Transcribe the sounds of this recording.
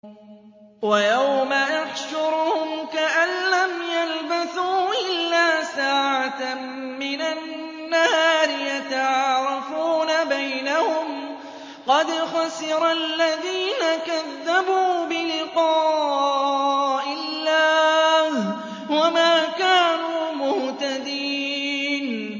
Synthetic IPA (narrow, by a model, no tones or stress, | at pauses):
wajawmaʔaħʃʊɾhʊmkaʔanlamjalbaθuːʔɪlːaːsaːʕat̪ | mɪnanː | ahaːɾɪjat̪aʕɑɑːɾˤɑfuːnabajnahʊm | qɑd̪xasɪɾalːaðiːnakaðːabuːbɪlɪqɑː | ʔɪlːaːh | wamaːkaːnuːmʊht̪ad̪iːn